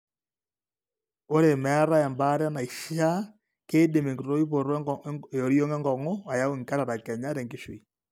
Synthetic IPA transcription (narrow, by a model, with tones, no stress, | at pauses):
o˦ɾe˨mɛ˨˦ɾa˦ɛ˨mba˦ɾɛ˦na˨i˨ʃi˦a˦ | keː˦de˨me˨ɡi˨ɾo˦i˦po˨ɾo˨ɾjo˦ŋe˦ŋɡɔ˨ŋo˦a˨ja˦e˨ŋka˦ɾa˨ɾa˨kɛ˨ɲa˦ɾɛ˨ŋɡi˨˦ʃwi˨i˨